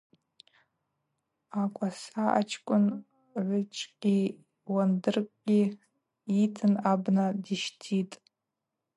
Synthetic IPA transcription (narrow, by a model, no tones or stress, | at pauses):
akʷʼasaa̰t͡ʃʰkʷʼʊn | ʕʷʊt͡ʃʼqʲʼi | wandɨrkʷʼɡʲi | itʰɨnabnadiʃtʰitʼ